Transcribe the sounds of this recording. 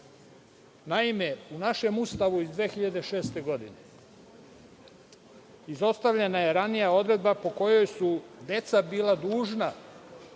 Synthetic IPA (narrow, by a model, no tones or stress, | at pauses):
naime̞unaʃe̞must̪aʋuizd̪ʋeːxiʎad̪e̞ʃe̞ːst̪e̞ɡo̞d̪ine̞ | izo̞st̪aʋʎe̞naje̞ɾanijao̞d̪ɾe̞d̪bapo̞ko̞jo̞jsud̪e̞t̪sabiːlad̪uːʒna